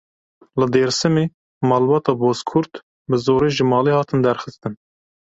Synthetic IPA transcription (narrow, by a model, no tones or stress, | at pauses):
lɨd̪eːɾsɨmeː | mɑːlbɑːt̪ɑːboːskʰʊɾt̪ | bɨzoːɾeːʒɨmɑːleːhɑːt̪ɨnd̪ɛɾxɨst̪ɨn